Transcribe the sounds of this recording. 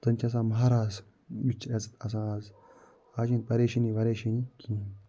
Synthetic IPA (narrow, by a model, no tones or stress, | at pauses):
t̪ɐnt͡ʃʰʲɐs̬ãːmɐɦaːɾaːz | bit͡ʃʰːɐt͡sɐs̬ãːaz | aːʃinpɐɾeːʃiniʋɐɾeːʃinikʰĩː